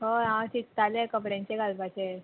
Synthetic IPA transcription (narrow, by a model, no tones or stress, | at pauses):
ɦoɦãt͡ɕit̪ːalekəpɽjãɲt͡ɕeɡalbat͡ɕe